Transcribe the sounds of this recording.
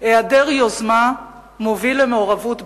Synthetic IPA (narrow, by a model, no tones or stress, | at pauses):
eadeʁjozma | movilemeoʁavut